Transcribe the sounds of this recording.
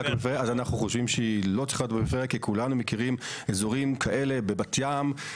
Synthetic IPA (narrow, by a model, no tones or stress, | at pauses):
akbefeeazanaχnuχoʃvimʃeilo̞t͡si̥χatbebefeʁekikʰulanumekiʁimezoʁimkʰaʔe̞le̞bebatjam